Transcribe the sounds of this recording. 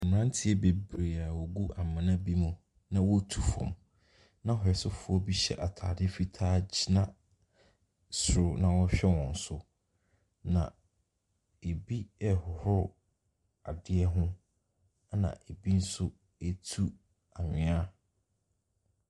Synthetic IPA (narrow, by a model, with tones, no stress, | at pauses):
m˨ɾã˦n˦tʰɪ˦ɛ˦be˨bɾe˨a˨wo˨ɡu˦ʔa˨mã˨nã˦bi˦mũ˨ | nã˦wɔ˦tʰu˨fɔ̰̃˨m | nã˦hɔ˨ɛ˨sʊ˦fʊ˦ɔ˦bi˦ɕɛ̰˦ʔa˨tʰa̰ː˨dɪ˦fi˦tʰaː˦d͡ʑi˦nã˦ | sʊ˨ɾʊ˦nã˨wɔ˦ɕᶣɛ˦wɔ̃˨n̩˨sʊ˦ | nã̰˨ | e˨bi˦ɛ˨hʊ˨hʊ˦ | a˨dɪ˦ɛ˦ɦʊ̃˦ | a˦nã̰˨ʔe˨bi˦n̩˦sʊ˦ | e˦tʰu˦ | a˨ɲᶣɪ̃˨a˦